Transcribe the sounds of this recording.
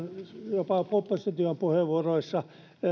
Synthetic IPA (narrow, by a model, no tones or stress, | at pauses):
njopɑpopːɑst̪ɑt̪yømpuheʋuoroisːɑ